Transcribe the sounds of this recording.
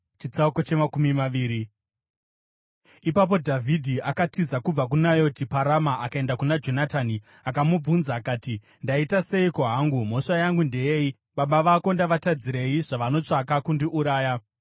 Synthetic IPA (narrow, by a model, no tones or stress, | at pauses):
t͡ʃit͡sauko̞t͡ʃe̞makumimaʋiːɾi | ipap̬o̞dʱavʱidʱiʔakatizakub͡vak̬unajo̞tipaɾamaʔakae̞ndakunad͡ʒo̞natani | akamub͡vunzaːkaːti | ndaitase̞ikoɦaŋɡum̤o̞ʂajaŋɡunde̞jei | ɓaɓaʋaːko̞ndaʋatad͡ziɾe̞jiʐaʋano̞t͡ʂakakundiʔuɾaːja